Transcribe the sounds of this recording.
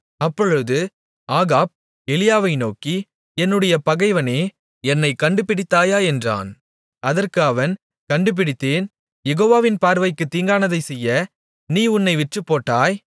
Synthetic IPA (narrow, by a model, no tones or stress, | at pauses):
ɐpːɔɻɯðɯ | aːɣaːp̚ | ɛlɪjaːʋɐɪnoːki | ɛnːɯɽɐjɐpɐɣɐɪʋɐneː | ɛnːɐɪkɐɳɖɯpɪɽɪt̪ːaːjaːɛndra̰ːn | ʔɐðɐrkɯɐʋɐn | kɐɳɖɯp̬ːɪɽɪt̪ːeːn | jɛɣoːʋaːʋɪnpaːɾʋɐɪkːɯt̪ːiːŋɡaːnɐðɐɪsɛjːɐ | niːʊnːɐɪʋɪʈrɯpːoːʈːaːj